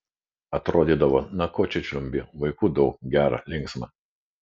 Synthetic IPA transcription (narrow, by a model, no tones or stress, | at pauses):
ɐt̪ɾoːd̪ʲiːd̪ɐʋoːnɐkoːt͡ʃʲɛt͡ʃʲlʲʊmʲbʲɪʋɐɪkuːd̪ɐʊkɡʲæːɾɐ̰lʲɪŋksmɐ